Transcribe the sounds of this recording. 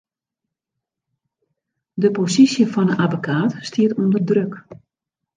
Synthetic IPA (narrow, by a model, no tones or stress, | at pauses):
dəposisjəfɔnəavəkʰaːtstʰiətundərdrøk